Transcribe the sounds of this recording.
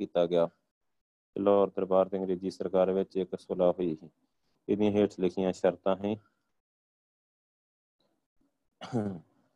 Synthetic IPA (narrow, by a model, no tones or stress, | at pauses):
iːt̪aːɡɪjaː | lɔːɾd̪əɾbaːɾt̪eə̃ŋɾeːziːsəɾkaːɾʋɪt͡ʃɪksolaːɦoiːɦː | ɪd̪ijãːɦeːʈslɪkʰɪjãːʃəɾt̪ãːɦĩː